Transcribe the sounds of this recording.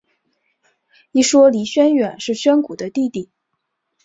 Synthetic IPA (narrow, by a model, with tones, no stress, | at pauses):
i˥˩ʂwɔ˥li˧˥ɕɥɛ˥nɥɛ˨˩nʂɻ̩˥˩ɕɥɛ˥nku˨˩d̪ə˦t̪i˥˧t̪i˥˩˦